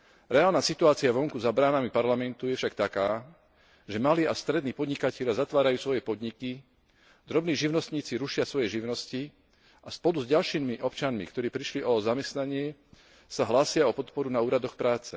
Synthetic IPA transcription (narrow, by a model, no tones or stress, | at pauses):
ɾɛaːlnaːsit̪uaːt͡siaʋɔŋkuzabɾaːnamipaɾlamɛnt̪ujɛfʃakt̪akaː | ʒɛmaliːast̪ɾɛd̪niːpɔd̪ɲikacɛʎɪazat̪ʋaːɾajuːsʋɔjɛpɔd̪ɲiki | d̪ɾɔbniːʒiʊnɔst̪ɲiːt͡siɾuʃɪasʋɔjɛʒiʊnɔsci | aspɔlduzɟalʃiːmiʔɔpt͡ʃanmḭkt̪ɔɾiːpɾiʃliʔɔzamɛst̪naɲɪɛ | saɦlaːsɪaɔpɔt̪pɔɾunauːɾad̪ɔxpɾaːt͡sɛ